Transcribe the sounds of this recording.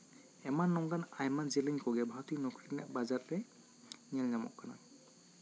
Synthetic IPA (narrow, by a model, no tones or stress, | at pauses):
ɛmanːɔŋɡanajmanzɛliɲkɔɡɛbʱaɹtinɔkɹitnaʔ̚bazat̚ɛ | nialɲamɔ̰ʔkana̰